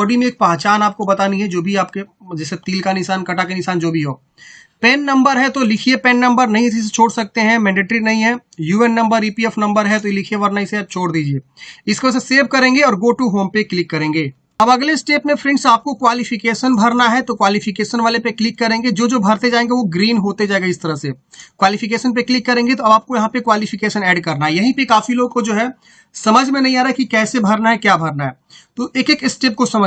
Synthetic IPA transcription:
ɐɽimẽeːk̚paːt͡ʃaːnaːp̚kobɐt̪anĩɦɛd͡ʒoːbʱiaːp̚ked͡ʒɛset̪iːlkanɪʃaːnkɐʈakenɪʃaːnd͡ʒoːbʱiɦoː | pɛːnːɐ̃mbəɾɦɛ̃t̪olɪkʰiepɛːnːɐ̃mbəɾnɐɦĩɪs̬is̬et͡ʃʰoːɽsɐk̚t̪eɦɛ̃mɛ̃ːɳɖɪʈɾinɐɦĩɦɛjuːɛnːɐ̃mbəɾiːpiɛfʰnɐ̃mbəɾɦɛt̪olɪkʰijebɐɾnaɪset͡ʃʰoːɽd̪iːd͡ʒieːɪskes̬eseːʋkɐɾẽːŋɡeɔːɾɡoːʈuɦoːmpeklɪkːɐɾẽːŋɡeː | ɐbɐɡleɪsʈeːpmẽfʰɾɪ̃ɳʈsaːp̚kokwaːlɪfɪkeːʃənbʱɐɾnaɦɛt̪okwaːlifɪkeːʃənʋaːlepeklɪkːɐɾẽːŋɡed͡ʒoːd͡ʒoːbʱɐɾt̪ed͡ʒaːẽːŋɡeʋoɡɾiːnɦoːt̪ed͡ʒaːẽŋɡeɪst̪ɐɾəɦsekwaːlɪfɪkeːʃənp̬eklɪkːɐɾẽːŋɡet̪oɐbaːp̚kojɐɦãpekwaːlɪfɪkeːʃənɛːɖkɐɾnaɦɛjɐɦĩpekaːfiloːɡ̚kod͡ʒoːɦɛ | sɐməd͡ʒʱmẽnɐɦĩaːɾaekikɛːsebʱɐɾnaɦɛkjaːbʱɐɾnaɦɛː | t̪oːʔeːkeːkɪsʈeːp̚kosɐmə

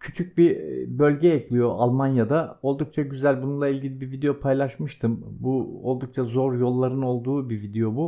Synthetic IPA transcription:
cʰyt͡ʃʰyc̚ʲbibø̞lʲɟɛɛclʲijo̞ʔalˠmanjad̪ao̞lˠd̪uk̚t͡ʃʰaɟyzælʲbununlˠailʲɟilʲibivid̪e̞jo̞pʰajlˠaʃmɯʃt̪ʰɯmbuo̞lˠd̪uk̚t͡ʃʰazo̞ɾjo̞lˠːaɾɯno̞lˠd̪uːbivid̪e̞jo̞bu

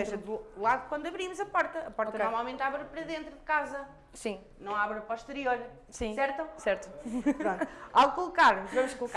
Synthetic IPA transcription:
eʒɐðlˠaðukwɐ̃nd̪uɐβɾimuzɐpɔɾt̪ɐɐpɔɾt̪ɐnɔɾmalˠmẽnt̪aβɾɐpɾɐðẽnt̪ɾuðɨkazɐ | sĩ | nɐ̃w̃aβɾɐpɔʃt̪ɨɾioɾ | sĩsɛɾt̪usɛɾt̪uɾõalˠkulˠukaɾvɐmʊʃkulˠuk

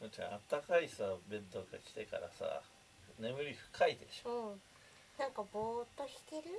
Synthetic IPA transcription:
sot͡ɕã̰at̪ːakaisabẽ̞nt̪okakʲi̥t̪e̞ka̰ɾa̰sa̰ | ne̞mɯ̟ɾʲiɸɯ̟̥kʰaid̪eɕoõ | nãŋkaboːt̪ːoçi̥t̪eɾɯ̟

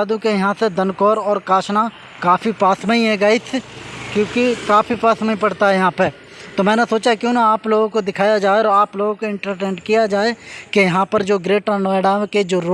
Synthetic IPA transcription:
aːd̪ũkejɐɦãsed̪ənkɔːɾɔːɾkaːʃna | kaːfipaːsməĩɦɛ̃ɡaːit̪ʰkjõːkikaːfipaːsməĩpɐɽt̪aɦɛjɐɦãpə | t̪oːmɛ̃ːnesoːt͡ʃakjõːnaːploːɡõkod̪ɪkʰaːjad͡ʒaːeɔːɾaːploːɡõkoɪ̃ɳʈəɾʈẽːɳɖkijad͡ʒaːekejɐɦãpəɾd͡ʒoːɡɾeːʈanɔːɛɽaked͡ʒoːɾo

